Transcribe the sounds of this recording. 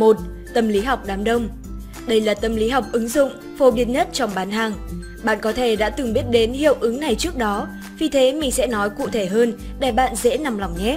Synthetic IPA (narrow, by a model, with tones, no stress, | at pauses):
mo˨˩t̚ | t̪ə˨˩mli˨˦ɦa˨˩wk͡p̚ɗaː˨˦mɗə˧wŋ͡m | ɗə˧jlaː˨˩t̪ə˨˩mli˨˦ɦa˨˩wk͡p̚ʔɨ˨˦ŋzʊ̰˧˨ŋ͡m | fo˨˧ɓi˨˦˥ən̚ɲə˦˥t̚t͡ɕɔ˧wŋ͡mɓaː˨˦nɦaː˨˩ŋ | ɓa̰ː˧˨nkɔ˨˦t̪ʰe˧˩ɗa̰ː˧˥t̪ɨ˨˩ŋɓi˦˥ət̚ɗe˨˦nhḭ˧˨əwʔɨ˨˦ŋna˨˩jt͡ɕɨ˦˥ək̚ɗɔ˨˦ | vi˨˩t̪ʰe˨˦mï˨˩ŋ̟sɛ̰˧˥nɔ˨˦jkṵ˧˨t̪ʰe˧˩ɦəː˧n | ɗa˧˩ɓa̰ː˧˨nzḛ˧˥na˨˩mla˨˩wŋ͡mɲɛ˨˦